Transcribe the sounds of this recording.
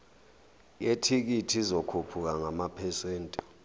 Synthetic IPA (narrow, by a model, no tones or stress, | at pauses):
jetʰik̬itʰizɔkʰupʰuk̬aŋamapʰɛsweːntʼu̥